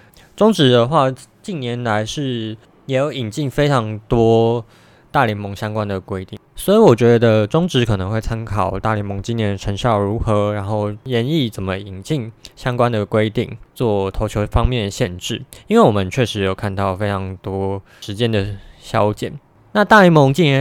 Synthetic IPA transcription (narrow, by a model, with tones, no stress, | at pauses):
ʈ͡ʂʊ˥ŋʈ͡ʂɻ̩˧˥d̪ə˧xwa˥˩ | t͡ɕi˥˩nnjɛ˧˦nla˧˦ɪʂɻ̩˥˩ | jɛ˨˧˥jo˧˥ʊi˨˩ŋt͡ɕi˥˩ŋfe˥ɪʈ͡ʂʰɑ˧˥ŋt̪wɔ˥ | t̪a˥˩ljɛ˧˥nmo˧˥ŋɕjɑ˥ŋkwa˦nd̪ə˨kwe˥ɪt̪i˥˩ŋswɔ˧˥i˧˥wɔ˨˩t͡ɕɥɛ˧˥d̪d̪ə˧ʈ͡ʂʊ˥ŋʈ͡ʂɻ̩˧˦˥kʰɤ˨˩nə˧˦ŋxwe˥˩ɪt͡sʰa˥nkʰɑ˨˩ʊt̪a̰˥˩˨ljɛ˧˥nmo˧˦˥ŋt͡ɕi˥njɛ˧˥˦nʈ͡ʂʰə˧˥ŋɕjɑ˥˩ʊɻu˧˥xɤ˧˥ɻa˧˥nxo˥˩ʊjɛ˧˦ni˥˩t͡sə˨˩nmə˦i˨˩ŋt͡ɕi˥˩ŋɕjɑ˥ŋkwa˦nd̪ə˨kwe˥ɪt̪ḭ˥˩ŋt͡swɔ˥˩t̪ʰo˧ʊt͡ɕʰjo˧˥ʊfɑ˥ŋmjɛ˥˩nd̪ə˩ɕjɛ˥˧nʈ͡ʂɻ̩˥˩i˥nwe˥˩wɔ˨˩mə˨nt͡ɕʰɥɛ˥˩ʂɻ̩˧˥jo˨˩ʊkʰa˥˧nt̪ɑ˥˩ʊfe˥ɪʈ͡ʂʰɑ˧˥ŋt̪wɔ˥ | ʂɻ̩˧˥t͡ɕjɛ˥˦nd̪ə˨ɕjɑ˥ʊt͡ɕjɛ̰˨˩˦n | na˥˧t̪a˥˩ljɛ˧˥nmo˧˥ŋt͡ɕi˥˩njɛ˧˦